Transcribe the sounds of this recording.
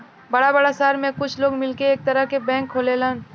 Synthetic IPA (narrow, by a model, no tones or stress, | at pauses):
bɐɽabɐɽasaːɾmẽkʊt͡ʃʰloːɡmɪlkeeːk̚t̪ɐɾəɦkebɛ̃ːŋkʰːoːlelan